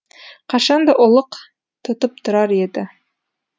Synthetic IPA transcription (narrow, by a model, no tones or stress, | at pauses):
qʰɑʃɑnd̪ɑʔŏlˠɤq | t̪ʰŏt̪ɤp̚t̪ʰŏɾɑɾed̪ɪ